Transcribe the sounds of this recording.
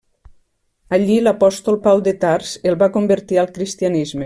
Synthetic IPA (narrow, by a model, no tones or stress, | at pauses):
aʎilapɔst̪olˠpawd̪et̪aɾz̥elˠβakombeɾt̪ialˠkɾist̪ianizme